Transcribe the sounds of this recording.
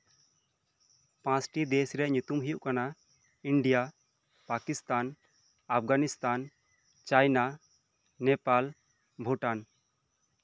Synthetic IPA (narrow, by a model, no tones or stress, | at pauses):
pãsʈid̪esɾɛʔɲut̪umɦijuʔkana | iɳɖija | pakist̪an | ap̚ɡanist̪an | t͡ʃajna | nɛpal | bʱuʈan